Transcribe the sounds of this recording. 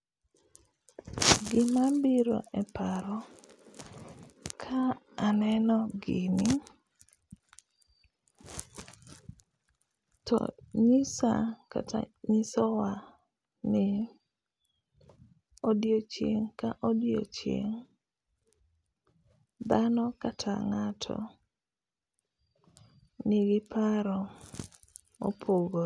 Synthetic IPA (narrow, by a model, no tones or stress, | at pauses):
ɡɪmabɪɾo̰ʔɛpaɾɔ | kʰaː | nɛnɔɡɪnɪ | tɔ̰ɲisa̰ka̰ta̰ɲɪsɔwa | nɪ | odjot͡ʃjeŋkaʔodjo̰t͡ʃjḛŋ | d̪anɔkatʰaŋatʰɔ̰ | nɪɡɪpaɾɔ | o̰pʰoɡo